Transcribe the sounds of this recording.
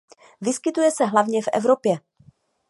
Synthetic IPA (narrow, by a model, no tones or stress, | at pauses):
vɪskɪt̪ujɛsɛɦlavɲɛfʔɛ̰vɾopjɛ